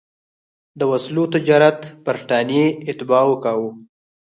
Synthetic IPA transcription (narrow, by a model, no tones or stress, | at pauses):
d̪əwaslot̪ɪd͡ʒɑɾat̪b̥aɾʈɑnijeɪt̪ɪbɑwəkɑwo